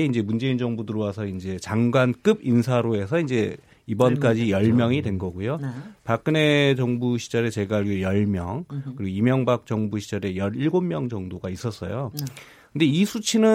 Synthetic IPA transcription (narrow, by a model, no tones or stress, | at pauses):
eind͡ʑe̞mund͡ʑe̞ind͡ʑʌŋbudɯɾowasʰʌind͡ʑe̞t͡ɕaŋɡwank͈ɯbinsʰaɾoe̞sʰʌind͡ʑe̞ | ibʌnk͈ad͡ʑijʌɭmjʌŋidwe̞nɡʌɡujopak͈̚ɯne̞t͡ɕʌŋbuɕʰid͡ʑʌɾe̞t͡ɕe̞ɡaɭɡijʌɭmjʌŋɯɾiɡoimjʌŋbak̚t͡ɕʌŋbuɕʰid͡ʑʌɾe̞jʌɾiɭɡommjʌŋd͡ʑʌŋdoɡais͈ʌs͈ʌ̰jo | kkɯnde̞isʰut͡ɕʰinɯ